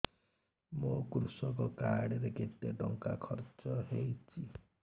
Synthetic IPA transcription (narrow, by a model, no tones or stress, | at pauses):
mokɾusɔkɔkaɽeɾeɡet̪eɖɔŋkakʰɔɾt͡ʃɔɦejt͡ʃʰi